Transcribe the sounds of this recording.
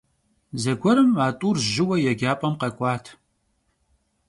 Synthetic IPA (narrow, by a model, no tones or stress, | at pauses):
zɐɡʷɔɾɨmaːtʷʼuːrʒɪwɐjɛɡʲaːpʼɐmqɐkʷʼɑːtʰ